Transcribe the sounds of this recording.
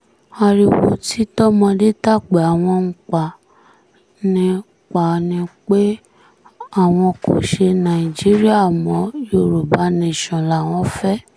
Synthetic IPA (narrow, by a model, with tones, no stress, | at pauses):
a˧ɾi˧wo̰˧ti˦tɔ˦mɔ̃˧de˦ta˦˨ɡ͡be˨a˨w̃ɔ̃˧ŋ̩˨k͡pa˨ | nĩ˧ | k͡pa˨nĩ˧k͡pe˦ | a˦˨w̃ɔ̃˧ko˨ʃe˧nã˨i˨d͡ʒi˨˦ɾi˦a˦˨mɔ̃˨˦jo˨ɾu˨ba˨˦nẽ˦˨ʃɔ̃˨la˨w̃ɔ̃˧˦fɛ˦